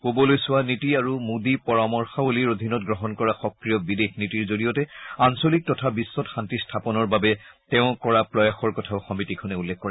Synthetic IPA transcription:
kobɔlojsʊwanitiaɹumudipɔɹamɔɹxaoliɹod̪ʱinɔt̚ɡɹɔɦɔnkɔɹaxɔkɹijɔbidexnitiɹzoɹijɔtɛansolik̚tɔtʰabisːɔtxantistʰapɔnɔɹbabɛtɛʊ̃kɔɹapɹɔjaxɔɹkɔtʰaʊxɔmitikʰɔnɛulːɛkkːɔɹɛ

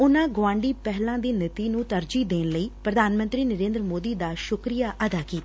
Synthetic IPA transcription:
ʊnãːɡoãːɳɖiːpɛɦlãːd̪iːnɪt̪iːnũːt̪əɾd͡ʒiːd̪eːnləiːpɾəd̪ʱaːnmə̃nt̪ɾiːnəɾẽːnd̪ɾəmoːd̪iːd̪aːʃʊkɾijaːʔəd̪aːkiːt̪a

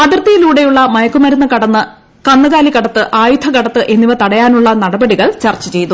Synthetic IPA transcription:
ɐðrt̪ːijiluːɽe̞juɭːɐmɐjɐkːumɐɾunːɐkɐɽɐnːɨ | kɐnːɐɣaːlikɐɽɐt̪ːɨʔaːjut̪ʰːɐkɐɽɐt̪ːɨʔe̞nːiʋɐt̪ɐɽɐjaːnuɭːɐnɐɽɐbɐɽiɣɐɭt͡ɕɐrt͡ɕːɐt͡ɕe̞jt̪ːu

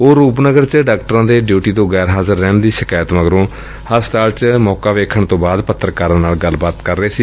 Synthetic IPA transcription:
oːɾuːp̬nəɡəɾt͡ʃɖaːk̚ʈəɾãːd̪eːɖjuːʈiːt̪õːɡɛːɾɦaːzəɾːɛːɳd̪iːʃɪkaːjət̪məɡɾõː | həst̪aːlt͡ʃmɔːkaːʋeːkʰəɳt̪õːbaːd̪pət̪ʰːəɾkaɾnaːlɡəlːbaːt̪kəɾːeːsiː

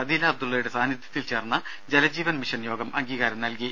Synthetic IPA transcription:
ɐd̪iːlɐːb̚d̪ulːɐjuɽe̞saːnjɐt̪ʰjɐ̥t̪ːilt͡ɕe̞ːrnːɐ | d͡ʑelɐd͡ʑiːʋɐnmiʂɐɳjo̞ːɡɐmʔɐŋɡiːɣaːɾɐmnɐlki

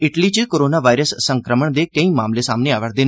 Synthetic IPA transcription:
ɪʈliːt͡ʃəkoːɾoːnaːʋaːɪɾəsːəŋkɾəməɳd̪eːkəĩːmaːmleːsaːmneːaːʋəɽd̪eːn

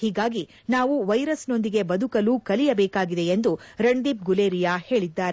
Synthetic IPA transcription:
hiːɡaːɡi | naːʋuʋɐjɾɐsno̞nd̪iɡe̞bɐd̪ʱukɐluːkɐlijɐbɛːkaːɡid̪e̞end̪uɾɐɳd̪ip̚ɡuleːɾijaːhe̞ːɭid̪ːaːɾ

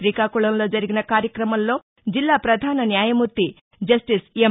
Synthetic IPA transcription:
ɾikaːkuɭɐnlo̞ːd͡ʒɐɾiɡinɐkaːɾjɐkɾɐmɐlːo̞ː | d͡ʒilːaːpɾɐd̪ʱaːnɐnjaːjɐmuɾt̪ːi | d͡ʒɐsʈise

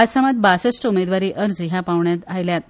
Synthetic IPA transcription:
asamat̪̚basəsʈumed̪ʋaɾiːʔəɾd͡ziɦapaʋɳjat̪ajljat̪

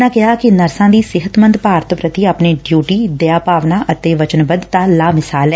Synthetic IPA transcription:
nãːkɪɦaːkɪnəɾsãːd̪iːsɪɦət̪mə̃nd̪paːɾt̪ʰpɾət̪iːapneːɖjuːʈiːd̪eaːpaːʋnaːʔət̪eːʋət͡ʃənbəd̪t̪ãːlaːmɪsaːlɛː

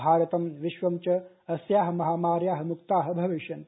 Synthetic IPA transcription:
aːɾɐt̪ɐmʋiʃʋɐmt͡ʃɐ | ɐsjaːɦɐmɐɦaːmaːɾjaːɦɐ̆mukt̪aːɦɐ̆bʱɐʋiʃɐn

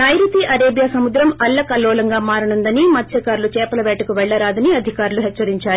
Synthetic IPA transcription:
nɐjɾut̪iʔɐɾeːbjasɐmud̪ɾɐmɐlːɐkɐlːɔːlɐŋɡaːmaːɾɐɳund̪ɐnimɐt̪ʃɐkaːɾulut͡ʃɛːpɐlɐʋɛːʈɐkuʋɛɭːɐɾaːd̪ɐniɐd̪ʱikaːɾuluɦɛt͡ʃːɐɾiɲt͡ʃaːɾ

